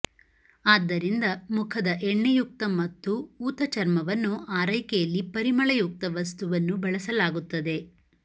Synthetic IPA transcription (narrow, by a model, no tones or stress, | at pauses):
aːd̪ːɐɾind̪ɐmukʰɐd̪ɐʔɛɳːejuk̚t̪ɐmɐt̪ːuuːt̪ɐt͡ʃɐɾmɐʋɐnːuaːɾɐjkɛjɐlːipɐɾimɐɭɐjuk̚t̪ɐʋɐst̪uʋɐnːubɐɭɐsɐlaːɡut̪ːɐd̪e̞